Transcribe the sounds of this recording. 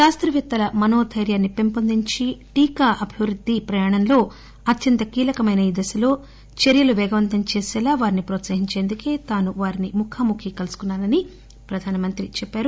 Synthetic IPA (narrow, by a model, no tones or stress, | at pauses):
ʃaːst̪ɾɐʋɐt̪ːɐlɐmɐno̞ːd̪ʱɐjɾjaːnːipe̞mpond̪iɲt͡ʃiʈiːkaːʔɐbʱiʋɾud̪ʱːipɾɐjaːɳɐnlo̞ː | ɐt̪jɐnt̪ɐkiːlɐkɐmɐjnɐid̪ɐsɐlo̞ː | t͡ʃeɾjɐluʋɛːɡɐʋɐnt̪ɐmt͡ʃeːsɛːlaːʋaːɾinipɾoːt̪sɐɦiɲt͡ʃeːnd̪uke̞ːt̪aːnuʋaːɾinimukʰaːmukʰikɐlusu̥kunːaːɾɐni | pɾɐd̪ʱaːnɐmɐnt̪ɾit͡ʃɛpːaːɾu